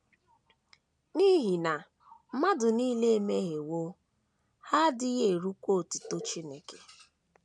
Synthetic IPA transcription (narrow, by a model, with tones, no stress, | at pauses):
ni˦ɦi˨na˨ | m̩˦ma˦dʊ˨niː˦le˦e˦me˦ɣe˨wo˦ | ha˦dɪ˦ɣe˨ɾu˦kʷo˦˨tʊ̥˨to˦t͡ʃi˦ne˨ke˨